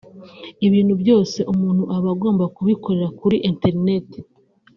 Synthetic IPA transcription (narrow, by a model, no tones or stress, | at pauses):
iβiːnhubjo̞ːse̞ʔumuːn̥huʔaβaɡo̞ːmbakuβiko̞ɾe̞ɾakuɾiʔente̞ɾine̞te̥